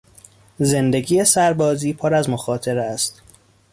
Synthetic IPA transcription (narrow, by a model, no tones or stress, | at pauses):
ze̞nd̪e̞ɡiːjesæɾbɒːziːpʰoɾæzmoxɒːt̪ʰeɾæst̪